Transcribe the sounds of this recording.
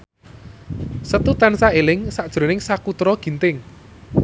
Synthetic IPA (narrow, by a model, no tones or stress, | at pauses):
sət̪ut̪ansaelɪŋsad̥ʒ̥ɾo̤nɪŋsakut̪ɾɔɡ̥i̤nt̪ɪŋ